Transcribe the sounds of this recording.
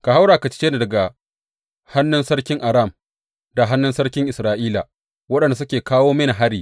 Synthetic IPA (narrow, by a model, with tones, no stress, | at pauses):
ka˨ha˦wɽaː˨ka˨t͡ʃɪ̥˦t͡ʃeː˦na˨dɐ˨ɡa˨ | ha˦nːʊ˦nsɐ˦ɽkʲɪ˦ŋʔa˨ɾa˦˨m | da˨ɦa˦nːʊ˦nsɐ˦ɽkʲɪ˦ŋʔɪ˨sɾaː˨ʔiː˦la̰˨ | wɐ˦ɗɐ˨nda˨s̬ʊ˦kʲeː˨kaː˦woː˦mɐ˦na˨ɦa˦ɾiː˨